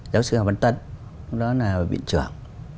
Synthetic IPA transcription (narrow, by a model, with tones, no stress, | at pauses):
zaː˨˦wsɨ̰˧˨ha˨˩va˧˩nt̪ə˧˩t̚ | ɗɔ˨˦naː˨˩˨ɓḭ˧˨nt͡ɕɨ˨˩əŋ